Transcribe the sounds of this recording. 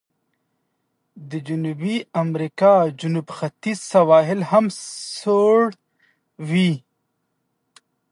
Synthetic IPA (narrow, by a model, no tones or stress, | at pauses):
d̪əd͡ʒunubiamɾikɑd͡ʒunubxat̪isawɑːɦɪlhamsoɽ | wi